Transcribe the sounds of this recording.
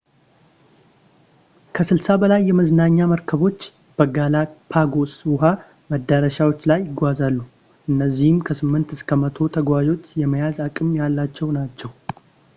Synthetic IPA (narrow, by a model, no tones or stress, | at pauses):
kʰəsɨlsabəlajːɛməznaɲːaməɾkʰəβo̞t͡ʃː | b̥əɡalapʰaɡo̞swʊɦa | məd̪ːəɾəʃawo̞t͡ʃːlajːɪɡʷazalːu | ʔɨnːəzːihɨmkʰəsɨmːɨnt̪ɨskʰəmət̪ʰo̞t̪ʰəɡʷwad͡ʒo̞t̪jɛməjazakʼɨmjalːat͡ʃːɛwnat͡ʃːɛw